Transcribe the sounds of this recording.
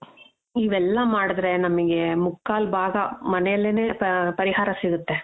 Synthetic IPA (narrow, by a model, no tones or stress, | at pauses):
iːʋɛlːɐmaːɽud̪ɾe̞nɐmɐɡe̞mukːaːlbʱaːɡɐmɐnɛjɐlːeneːpɐɾiɦaːɾɐsiɡut̪ːe